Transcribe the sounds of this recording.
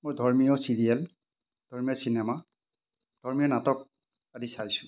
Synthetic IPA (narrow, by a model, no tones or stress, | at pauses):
mojdʱɔɹmijɔsiɹiɛl | d̥ʱɔɹmijɔsinɛma | d̥ʱɔɹmijɔnatɔk̚ | adisajsʊ̃